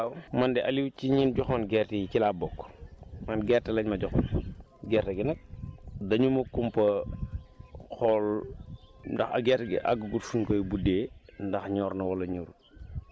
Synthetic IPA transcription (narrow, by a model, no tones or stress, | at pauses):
awmandɛʔɐliwt͡ʃiɲinɟɔxɔːnɡɛrtijkilabɔkːmɐnɡɛrtɐlɐɲmɐɟɔxɔ̰n | ɡɛːrtɐɡinɐk̚dɐɲumɐkumpɐ | xɔl | dɐxɐ̰ɡɛtɡɛ̰ʔa̰ɡɡutfunkojbudeːndɐxɲɔːɾnɐwɐlɐɲuɾ